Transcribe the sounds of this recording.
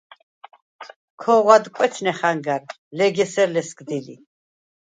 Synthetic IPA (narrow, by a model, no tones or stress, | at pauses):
kʰɔʁwad̪kʷʼwɛt͡ʃʰnɛχaŋɡaɾ | lɛɡɛsɛɾlɛsɡd̪ilḭ